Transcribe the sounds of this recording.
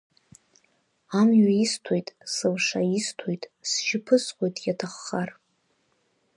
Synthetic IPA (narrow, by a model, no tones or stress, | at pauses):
amɥaistʰo̞jtʼsɨlʂaistʰojtʼsʒɪpʰɨsqʷʼo̞jtʼjatʰaχːar